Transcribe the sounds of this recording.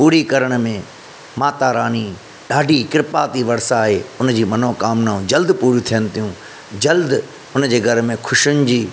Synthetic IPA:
puːɾikɐɾəɽ̃mẽ | maːt̪aɾaːni | ɗaːɖʱikɪɾɪpaːt̪iʋɐɽsaːɦeːʊnd͡ʑiːmɐnõkaːmnaːũd͡ʑɐld̪puːɾjut̪ʰijənɪ̆t̪ijũ | d͡ʑɐld̪ | ʊnd͡ʑeːɡʱɐɾmẽkʰʊʃʊnɪ̆d͡ʑiː

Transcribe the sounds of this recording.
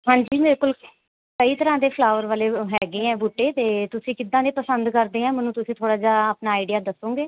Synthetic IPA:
ɦãːɲd͡ʒiːbɪlkʊl | kəiːt̪əɾãːd̪eːpʰlaːʋəɾʋaːleːɦɛːɡeːɛ̃ːbuːʈːeːt̪eːt̪ʊsĩːkɪd̪ãːd̪eːpəsənd̪kəɾd̪eːãːmənũːt̪ʊsĩːt̪ʰoːɽaːd͡ʒaːaːpnaːɪɖɪjaːd̪əsːõːɡeː

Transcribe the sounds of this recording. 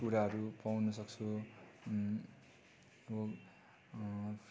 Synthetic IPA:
kuɾaɦʌɾupawnʌsʌk̚t͡sʰu | o | p

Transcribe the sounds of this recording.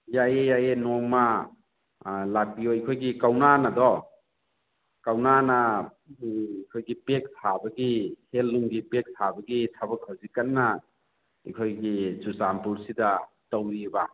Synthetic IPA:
jajejajenɔŋma | lak̚pijɔajkʰojɡikawnanadɔ | kawnana | kʰojɡipek̚tʰabɐɡihelːuŋɡipek̚tʰabɐɡitʰabɐkʰawzikɐnːa | ikʰojɡisusampulsida | tawɾiba

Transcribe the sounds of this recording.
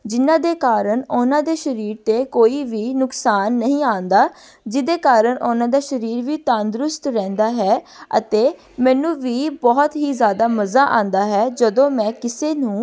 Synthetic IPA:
d͡ʒɪnãːd̪eːkaːɾəɳʊnãːd̪eːʃəɾiːɾt̪eːkoːiːʋiːnʊksaːnːəɦĩːãːnd̪aː | d͡ʒɪd̪eːkaːɾəɳʔʊnãːd̪aːʃəɾiːɾʋiːt̪aːnd̪ɾʊst̪ɾɛ̃ːnd̪aːɦɛːə̰t̪eː | mɛ̃ːnũːʋiːbɔːt̪ɦiːzjaːd̪aːməzaːʔã̰ːnd̪aːɦɛːd͡ʒəd̪õːmɛ̃ːkɪseːnũː

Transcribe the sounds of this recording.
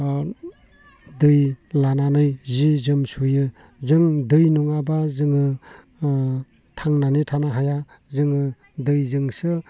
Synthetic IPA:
dɯjlananɯjzizɯmsujɯ | zɯŋdɯjnuŋabazɯŋɯ | tʰaŋnanitʰanaɦaja | zɯŋɯ | dɯjzɯŋsɯ

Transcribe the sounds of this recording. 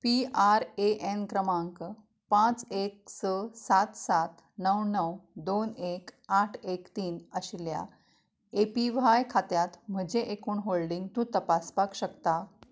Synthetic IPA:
piaɾeʔenkɾəmaŋk | pãt͡sek̚səsat̪sat̪ | nəwnəwd̪onekaʈʰekt̪iːnəɕlja̰ | epiʋajkʰat̪jat̪m̤əd͡ʑeʔekuːɳɦoɭɖiŋɡt̪ũːt̪əpaspakɕəkt̪a

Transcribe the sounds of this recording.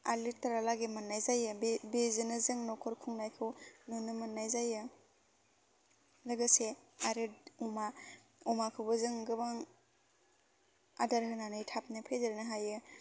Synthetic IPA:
a̰litaɾalaɡemɯnːajzajɯbezɯnɯzɯŋnɔkʰɔɾkʰuŋnajkʰɯwnunːɯmɯnːajzajɯ | lɯɡɯseaɾɯduma | umakʰɯwbɯzɯŋɡɯbaŋ | adaɾɦɯnanɯjtʰap̚nɯpʰedɯɾnɯɦajɯ

